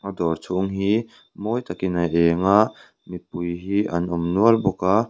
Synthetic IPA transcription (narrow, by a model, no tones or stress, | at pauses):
ʔɐdɔrt͡sʰʊŋɦi | moːjt̪ɐkɪnɐʔɛːŋaʔ | mit̪̚pujɦiʔɐnʔʊmnuəlbʊka